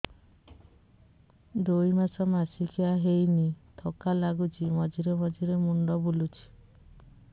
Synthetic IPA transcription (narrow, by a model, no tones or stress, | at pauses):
d̪ojmasɔmasikʰiaɦejnit̪ʰɔkalaɡut͡ʃʰimɔd͡ʒiɾemɔd͡ʒiɾemuɳɖɔbulut͡ʃʰi̥